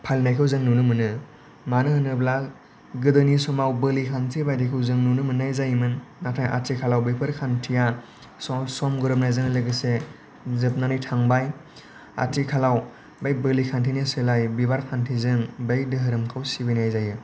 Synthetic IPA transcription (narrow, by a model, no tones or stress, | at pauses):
pʰalnajkʰɯwzɯŋnunɯmɯnɯ | manɯhɯnɯbla | ɡɯdɯnisɔmawbɯlikʰantʰibajdekʰɯwzɯŋnunɯmɯnajzajmɯnːatʰaja̰tʰikʰalawbepʰɯɾkʰantʰija | sɔsɔmɡɯɾɯp̚najzɯŋlɯɡɯse | zɯp̚nanɯjtʰaŋbaj | a̰tʰikʰalaw | bajbɯlikʰantʰinisɯlajbibaɾkʰantʰizɯŋbajdɯɦɯɾɯmkʰawsibijnajzajɯ